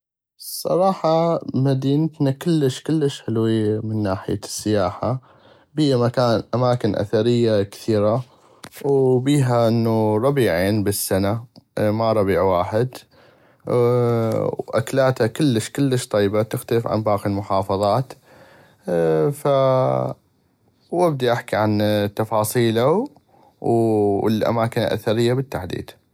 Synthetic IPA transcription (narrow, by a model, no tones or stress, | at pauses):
sˤɑ̰ɾˤɑːħɑmad̪iːnɪt̪nakɪlːəʃkɪlːəʃħɪlwimɪnːaːħɪjasːɪjaːħa | bijamakaːnʔamaːkɪnʔa̰θaɾɪjːakθiːɾa | wbiːɦaʔɪnːuɾˤɑbiːʕeːnbɪsːanamaɾˤɑbiːʕwaːħɪd̪ | wʔaklaːt̪akɪlːəʃkɪlːəʃt̪ˤɑjːbat̪ɪxt̪aləfʕa̰nbɑːqilmʊħɑːfɑðˤɑːt̪ | fa | wʔab̚d̪iʔaħkiʕant̪ːɑfɑːsˤiːla | wlʔa̰maːkɪnlʔa̰θaɾɪjːabɪt̪ːaħd̪ḭːd̪̥